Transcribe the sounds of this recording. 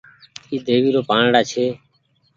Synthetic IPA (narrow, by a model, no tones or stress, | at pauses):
iːd̪eːʋiːɾoːpaːɳɽaːt͡ʃʰeː